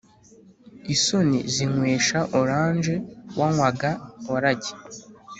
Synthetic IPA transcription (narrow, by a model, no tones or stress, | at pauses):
iso̞niziŋwe̞ːʃaʔoɾaːnʒe̞wʔaŋwaɡaoɾaɟe̥